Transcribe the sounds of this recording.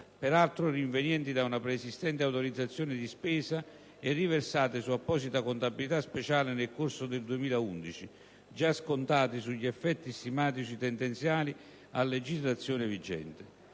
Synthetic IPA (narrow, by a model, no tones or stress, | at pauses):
pɛɾalt̪ɾoriɱvenjɛnt̪id̪aunapɾesist̪ɛnt̪eawt̪oɾid̪zːat̪sːjoːnɪd̪ispɛːsa | ɛrːiversaːt̪ɪsuapːɔːsit̪akont̪abilit̪aspet͡ʃaːlɪnelkorsʊd̪eld̪uemiːlaund̪it͡ʃi | d͡ʒaskont̪aːt̪isuʎːiɛfːɛt̪ːist̪imaːt̪̬it͡ʃit̪ɛnd̪ɛnt̪sjaːli | alːed͡ʒizlat̪sːjɔːnɪvid͡ʒɛ̰nt̪ɪ